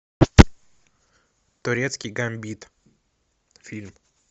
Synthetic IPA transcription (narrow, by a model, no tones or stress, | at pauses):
t̪ʊɾʲet̪skʲijɡɐmʲbʲit̪ | fʲilʲm